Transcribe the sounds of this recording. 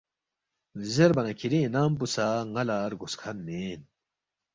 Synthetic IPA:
vizeɾbɐnɐkʰiɾĩnaːmpusaːŋɐlaːɾɡuskʰɐnmeːn

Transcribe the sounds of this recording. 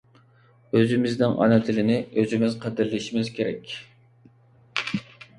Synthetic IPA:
øzɪmɪznɪŋʔɑ̰nɛt̪ʰɪlɪnɪøzɪmɪzqʰəd̪ɪɾliʃimɪzkʲʰeɾɛ̰kʲ

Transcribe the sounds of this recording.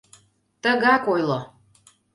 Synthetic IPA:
t̪əɣɑkojlˠo

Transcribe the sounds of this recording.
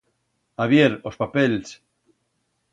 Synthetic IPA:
aβjeɾospapels

